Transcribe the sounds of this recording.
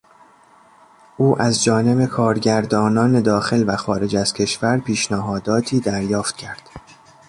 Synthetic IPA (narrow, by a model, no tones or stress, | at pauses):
ʔuːʔæzd͡ʒɒːne̞be̞kʰɒːɾɟæɾd̪ɒːnɒːne̞d̪ɒːxe̞lvæxɒːɾe̞d͡ʒæz̥cʰe̞ʃvæɾpʰiːʃnæɦɒːd̪ɒːt̪ʰiːd̪æɾjɒːft̪̚cʰæɾd̪̥